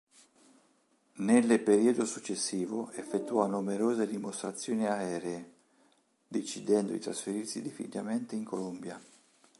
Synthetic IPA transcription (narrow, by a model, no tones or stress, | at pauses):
nelpeɾiːod̪osut͡ʃːesːiːvoefːet̪ːuɔnumeɾoːzed̪imost̪ɾat̪sːjoːniaɛːɾeː | d̪et͡ʃːid̪ɛnd̪od̪ḭt̪ɾasfeɾirsid̪ifḭlament̪eiŋkolombja